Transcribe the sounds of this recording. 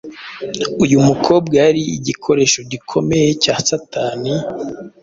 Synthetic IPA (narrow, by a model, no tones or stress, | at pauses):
ujumukʰo̞ːbɡaɾiiɟikʰo̞ɾe̞ːʃo̞ɟikʰo̞me̞je̞caːsataːni